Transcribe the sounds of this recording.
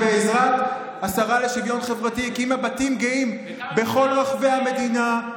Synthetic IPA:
eːzʁat̪ | asaʁale̞ʃivjo̞nχe̞vʁatikiimabatimɡeim | be̞χo̞lʁaχve̞ame̞dina

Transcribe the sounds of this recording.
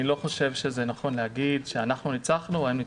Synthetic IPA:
ilo̞χo̞ʃe̞vʃeze̞naχo̞nlehaɡid̪ʃeanaχnunit͡saχnuvaeimni

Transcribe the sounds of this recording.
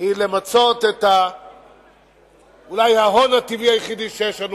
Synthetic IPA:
hilemat͡sot̪et̪ha | ulajhaɦonat̪iviajeχid̪iʃejeʃlanu

